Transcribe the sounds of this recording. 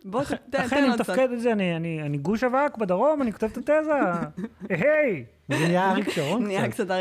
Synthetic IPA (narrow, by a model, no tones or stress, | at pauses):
boelaχenanimt̪afked̪ezeanianianiɡuʃavakbed̪aʁo̞maniko̞t̪evt̪at̪eza | eɦej | zenijaaʁikʃaonnakt͡sat̪a